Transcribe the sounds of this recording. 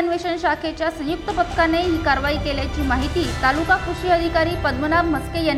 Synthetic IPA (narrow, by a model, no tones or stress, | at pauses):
nʋeɕənɕakʰet͡ɕjasə̃juk̚t̪əpət̪kaneɦiːkaɾʋaiːkeljat͡ɕiːmaɦit̪iːt̪alukakuɕiəd̪ʱikaɾiːpəd̪mənabməskejan